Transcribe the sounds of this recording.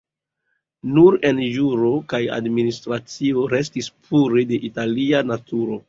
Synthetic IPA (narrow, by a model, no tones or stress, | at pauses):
nuɾe̞njuɾo̞kaja̰dministɾat͡sio̞ɾe̞s̬tispʰuɾe̞de̞ʔitalianatuɾo̞